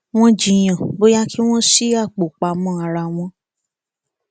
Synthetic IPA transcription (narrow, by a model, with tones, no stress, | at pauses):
w̃ɔ̃˦d͡ʒi˨j̃ã˨bo˦ja˦ki˦w̃ɔ̃˦ʃi˦a˦˨k͡po˨k͡pa˨˧mɔ̃˧˦a˧ɾa˧w̃ɔ̃˧